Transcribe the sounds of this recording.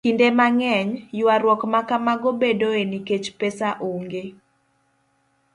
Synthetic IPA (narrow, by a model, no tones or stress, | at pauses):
indemaŋɛɲjʊaɾwɔkmakamaɡobedoeniket͡ʃpesaʔoŋɡe